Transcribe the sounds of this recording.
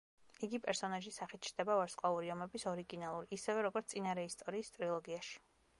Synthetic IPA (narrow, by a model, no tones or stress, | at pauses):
iɡipʼɛɾsɔnaʒisaχit̪̚ʰt͡ʃʰɾd̪ɛbavaɾsqʼwauɾiɔmɛbisɔɾiɡinalˠuɾiʔːsɛvɛɾɔɡɔt̪sʼinaɾɛist̪ʼɔɾiːst̪ʼɾilˠɔɡiaʃi̥